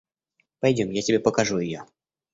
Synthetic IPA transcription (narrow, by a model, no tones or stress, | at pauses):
pɐjdʲomjatʲɪbʲepəkɐʐujɪjo